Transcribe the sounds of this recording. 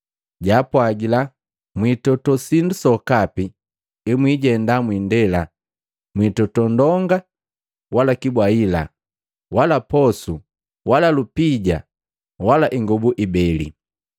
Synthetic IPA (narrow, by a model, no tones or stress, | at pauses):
ɟaːpwaɡila | mwitɔtɔsindusɔkapi | imwiɟɛndamwiːndɛla | mwitɔtɔndɔŋɡa | walakibwaila̰ | walapɔsu | walalupiɟa̰ | walaʔiŋɡɔbuʔibɛlḭ